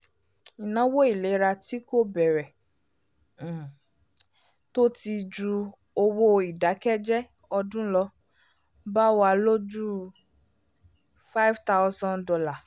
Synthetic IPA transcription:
i˨nã˨˦wo˦i˦˨le˨˦ɾa˧ti˦ko˦bɛ˨ɾɛ˨ | to˦ti˧d͡ʒu˧ | o˧wo˦i˨da˨˦kɛ˦d͡ʒɛ˦ | ɔ˧dũ˦lɔ˧ | ba˦wa˧lo˦d͡ʒu˦ | fa˦jvta˦wzɔ̃˦ndɔ˧la˦˨

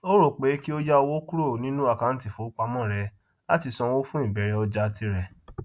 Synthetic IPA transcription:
o˦ɾo˦˨k͡pe˨˦ki˦o˦ja˦o˧wo˦ku˦ɾo˦˨nĩ˦nũ˦a˦˨kã˨˦n̩˦ti˨fo˨˦k͡pa˧mɔ̃˦˨ɾɛ˧ | a˦ti˧sɔ̃˧wo˦fũ˦ĩ˦˨bɛ˨˧ɾɛ˧ɔ˧d͡ʒa˧ti˧ɾɛ˧˨

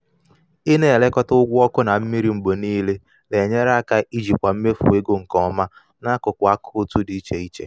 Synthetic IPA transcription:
i˦ne˦˨e˨le˦kɔ˦tʊ˦ʊ˦ɡʷɔ˦kʊ˦na˨m̩˦mi˦ɾi˦m̩˨bo˨niː˦le˦ | le˨ɲe˦ɾa˦ka˦i˦d͡ʒi˨p̚ka˨m̩˦me˦fṵ˨we˦ɡo˦ŋ̩˨kɔ˦ma˦ | na˦kʊ˨kʷa˦kʰʊ˦o˦tu˦di˨i˦t͡ʃe˨i˦t͡ʃḛ˨

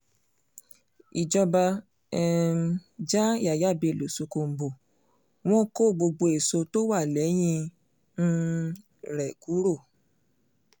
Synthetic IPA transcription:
i˨d͡ʒɔ˧ba˧ | ɛ˨˦ | d͡ʒa˦a˨ja˦˨be˧˨lo˨su˧ko˧m̩˦bo˨ | w̃ɔ̃˦ko˦˨ɡ͡bo˧ɡ͡bo˧e˨so˧to˦wa˦˨lɛ˨˦j̃ĩ˧ | n̩˧ | ɾɛ˨ku˨˦ɾo˦˨

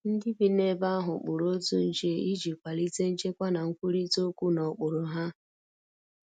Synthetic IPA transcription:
n̩˦dɪ˦bi˨ne˦ba˦ɦʊ˨k͡pʊ˨ɾo˦tu˦n̩˦d͡ʒe˦i˦d͡ʒi˨kʷa˨li˦te˦n̩˦t͡ʃe˦kʷa˦na˨ŋ̩˦kʷu˦ɾi˦to˦kʷu˦nɔ˨k͡pʊ˨ɾʊ˨ɦa˦

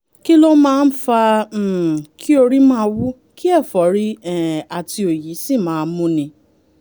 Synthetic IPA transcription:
ki˦lo˦mãː˦˧n̩˦fã˧˨ | kʰi˦o˧ɾi˦mãː˦˧˦wu˦ | ki˦ɛ˦˨fɔ˨˦ɾi˦ɛ˨a˨tʰi˧o˨ji˨˦si˦˨mãː˨˦˧mũ˦nĩ˧

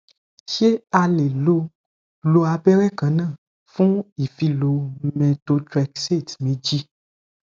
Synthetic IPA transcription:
ʃe˦a˧le˨lo˧ | lo˧a˧bɛ˦ɾɛ˦˨kã˨˦nã˦˨ | fũ˦i˨fi˧lo˨mɛ̃˧to˧tɾɛ˧kse˦˨tmẽ˨˦d͡ʒi˦

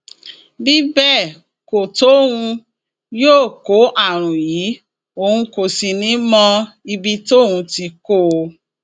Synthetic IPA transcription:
bi˦bɛ˦˨ | ko˨to˦ũ˧ | joː˦˨ko˨˦ʔa˦˨ɾ̃ũ˨jiː˨˦ | o˨hũ˧ko˨si˨nĩ˨˦mɔ̃˦˧ | i˧bi˧to˦hũ˧ti˧ko˦˨˧

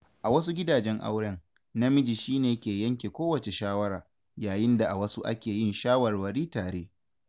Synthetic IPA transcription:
ʔa˨wɐ˦s̬u˦ɡʲɪ˦daː˨d͡ʒɛ˦ŋʔa̰˦wɽɛ˦ŋ | na˦mɪ˦d͡ʒi˨ʃiː˦neː˨kʲeː˨jɐ˦ŋk̬ʲeː˨kʷoː˦wɐ˨t͡ʃe˨ʃaː˦wɐ˦ɾaː˨ | jaː˨jɪ˦nda˨ʔa˨wɐ˦su˦ʔa̰˦kʲeː˨jɪ˦nʃaː˦wɐ˨rwɐ˨ɽiː˦taː˨ɽeː˦

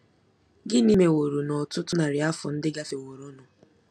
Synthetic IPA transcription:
ɡɪ˦ni˦me˨wo˨ɾo˨nɔ˨tʊ˦tʊ˦na˨ɾɪ˨a˦fʊ̰˨n̩˦dɪ˦ɡa˦fe˨wo˨ɾʊ˦nʊ˨

